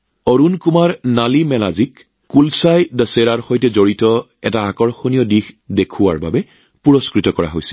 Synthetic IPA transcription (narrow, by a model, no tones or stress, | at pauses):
oɹunkumaɹnalimɛla̰zik | kulsajdəseɹaɹxojtɛzoɹitɔ | ɛtaːkɔɹxonijɔdixdekʰʊwaɹba̰bɛ | puɹɔskɹitɔkɔɹa̰ɦo̰jsi̥l